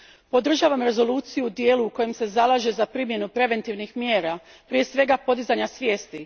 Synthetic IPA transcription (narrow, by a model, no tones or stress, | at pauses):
po̞d̪r̩ʒaːʋamɾe̞zo̞luːt̪sijud̪jeːluuko̞jemse̞zalˠaʒezapɾiːmje̞nupɾe̞ʋe̞nt̪iʋnixmjeːɾa | pɾije̞sʋe̞ɡapo̞d̪izaɲasʋʲje̞ːst̪i